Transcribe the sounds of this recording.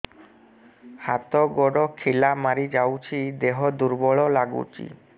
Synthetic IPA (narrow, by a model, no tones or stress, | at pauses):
hat̪ɔɡɔɽɔkʰilamaɾid͡ʒawt͡ʃʰid̪eɦɔd̪uɾbɔɭɔlaɡṵt͡ʃḭ